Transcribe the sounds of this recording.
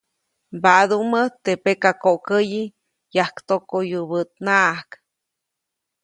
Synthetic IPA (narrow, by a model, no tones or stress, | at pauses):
bad̪umət̪epekakoʔkəji | jahkt̪okojubət̪̚naʔak